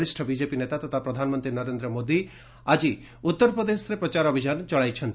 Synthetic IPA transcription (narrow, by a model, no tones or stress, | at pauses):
ɾiʃʈʰəbid͡ʒepinet̪at̪ɐt̪ʰapɾɐd̪ʱaːnmənt̪ɾinəɾend̪ɾəmoːd̪i | ad͡ʒi | ut̪ːəɾpɾəd̪esɾepɾɐt͡ʃaɾɔbʱid͡ʒant͡ʃɔɭajt͡ʃʰənt̪